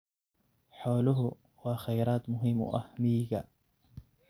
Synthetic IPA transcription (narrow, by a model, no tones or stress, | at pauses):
ħoːlʊɦʊ | hwaxajɾaːt̪mʊɦɪmʊ̰ʔa̰hmiːɡa